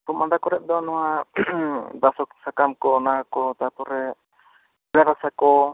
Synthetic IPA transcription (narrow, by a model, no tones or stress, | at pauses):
pumand̪akɔɾɛt̪̚d̪ɔnɔwa | d̪asɔk̚sakamkɔːnakɔt̪at̪ɔɾɛ | ɾaɾasakɔ